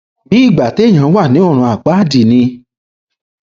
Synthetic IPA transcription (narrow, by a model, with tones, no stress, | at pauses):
bi˨˦i˦˨ɡ͡ba˨te˨˦˨j̃ã˨˦wa˦˨nĩ˨˦o˦˨ɾ̃ũ˧a˨k͡pa˨˦˨di˨nĩ˧